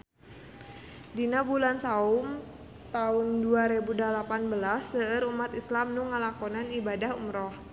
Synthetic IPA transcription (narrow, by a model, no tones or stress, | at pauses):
dinabulansaʊm | t̪aʊnduaɾebudalapanbəlasːəəɾumat̪islamnʊŋəlakɔnanibadahumɾɔh